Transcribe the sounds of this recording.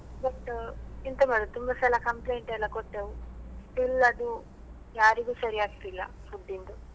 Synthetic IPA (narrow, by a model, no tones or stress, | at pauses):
bɐʈːint̪ɐmɐd̪ut̪umbɐsɛlɐkɐmpleːɳʈɛlːɐkoʈ̪ːeʋusʈilɐd̪u | jaːɾiɡuːsɐɾiaːɡit̪ilːɐ̰fuɖːind̪u